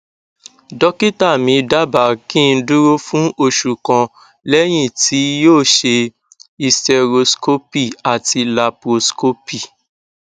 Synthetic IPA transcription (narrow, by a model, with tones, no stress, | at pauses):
dɔ˦ki˦ta˦˨mĩ˧da˦ba˨kĩ˦˧n̩˦du˦ɾo˦fũ˦ʔo˧˨ʃu˨kã˧ | lɛ˦j̃ĩ˦˨ti˨˦joː˦˨ʃe˧ | i˧stɛ˨ɾo˧sko˦pi˦˨a˨ti˧la˧pɾo˧sko˦pi˦˨